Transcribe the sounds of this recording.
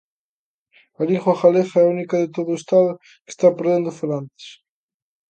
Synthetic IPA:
aliŋxwaχalexaɛaunikaðet̪oðʊest̪aðʊ | ke̥st̪apeɾðend̪ʊfelant̪e̥s

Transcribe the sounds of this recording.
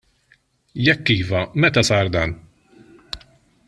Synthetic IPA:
jɛkːiːvɐmɛt̪ɐsɐɾd̪ɐn

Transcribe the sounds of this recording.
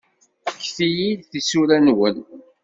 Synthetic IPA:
çθijid̪θisuɾænwən

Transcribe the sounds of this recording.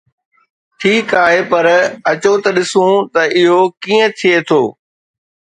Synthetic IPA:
ʈʰiːkaːɦepɐɾɐt͡ɕot̪ɐɗɪsũt̪ɐʔɪɦokiːə̃t̪ʰijet̪ʰoː

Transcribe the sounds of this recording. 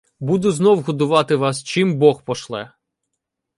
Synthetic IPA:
bud̪ʊznɔwɦɔd̪ʊʋɑt̪ɪʋɑst͡ʃimbɔxpɔʃlˠɛ

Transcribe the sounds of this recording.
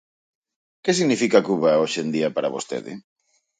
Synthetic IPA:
kesiɣnifikakuβaoʃend̪iɐpaɾaβo̰st̪ḛðɪ̰

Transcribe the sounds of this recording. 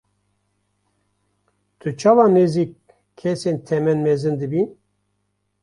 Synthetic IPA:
t̪ʰɨt͡ʃʰɑːvɑneziːk̚ʰː | ɛsent̪ʰɛmɛnmɛzɨnd̪ɨbin

